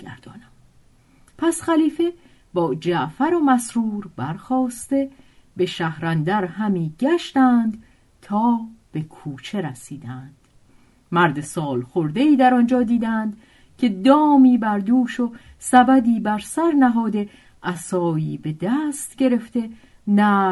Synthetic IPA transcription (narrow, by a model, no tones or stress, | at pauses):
ɡæ̰ɾd̪̥ɒːnæm | pʰæsχæliːfe̞ | bɒːd͡ʒæʔfæɾomæsɾuːɾbæɾxɒːst̪e̞ | be̞ʃæhɾænd̪æɾɦæmiːɟæʃt̪ænd̪ | t̪ʰɒːb̥e̞kʰuːt͡ʃʰe̞ɾæsiːd̪ænd̪̥ | mæɾd̪e̞sɒːlxoɾd̪e̞iːd̪æɾɒnd͡ʒɒːd̪iːd̪ænd̪̥ | cʰe̞d̪ɒːmiːbæɾd̪uːʃo | sæbæd̪iːbæɾsæɾnæɦɒːd̪e̞ | ʔæsɒːjiːbe̞d̪æːst̪ɟe̞ɾe̞ft̪e | næ